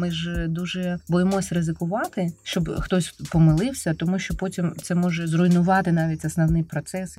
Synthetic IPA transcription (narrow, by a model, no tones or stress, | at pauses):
mɪʒd̪uʒɛbɔjɪmɔsʲrɪzɪkʊʋɑt̪ɪʃt͡ʃɔbxt̪ɔsʲpɔmɪlˠɪwsʲɐt̪ɔmuʃt͡ʃɔpotʲimt̪sɛmɔʒɛzrʊjnʊʋɑt̪ɪnɑʋʲitʲɐsnɐwnɪjpɾɔt̪sɛs